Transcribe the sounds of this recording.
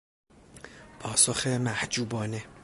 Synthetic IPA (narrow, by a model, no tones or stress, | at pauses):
pʰɒːsoxemæhd͡ʒuːbɒːne